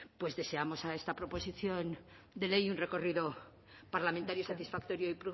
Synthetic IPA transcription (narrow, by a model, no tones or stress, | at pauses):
pwe̞zðe̞se̞amo̞sae̞st̪apɾo̞po̞siθjo̞n | d̪e̞le̞junre̞ko̞riðo | paɾlamẽnt̪aɾjosat̪isfak̚t̪o̞ɾjoipɾu